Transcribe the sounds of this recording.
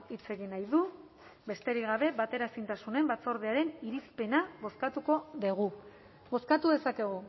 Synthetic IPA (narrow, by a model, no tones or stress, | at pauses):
it͡se̞ɣinajðu | be̞st̪e̞ɾiɣaβ̞e̞βat̪e̞ɾasint̪asune̞mbat͡so̞ɾð̞eaɾe̞niɾispe̞naβo̞skat̪uko̞ðeɣ̞u | bo̞skat̪uðe̞sake̞ɣu